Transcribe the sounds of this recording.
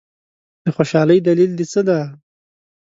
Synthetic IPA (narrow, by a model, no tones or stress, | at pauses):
d̪̥əxoʃɑləjd̪alild̪it͡səd̪a